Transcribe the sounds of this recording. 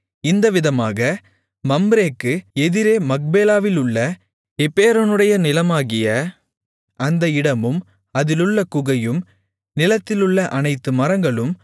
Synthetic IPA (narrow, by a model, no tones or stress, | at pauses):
ɪnd̪ɐʋɪðɐmaːɣɐ | mɐmbɾeːkːɯɛðɪɾeːmɐk̚beːlaːʋɪlɯɭːɐ | ɛpːeːɾɐnɯɽɐjɐnɪlɐmaːɣɪjɐ | ʔɐnd̪ɐɪɽɐmɯm | ɐðɪlɯɭːɐkʊɣɐjɯm | nɪlɐt̪ːɪlɯɭːɐʔɐnɐɪt̪ːɯmɐɾɐŋɡɐɭɯm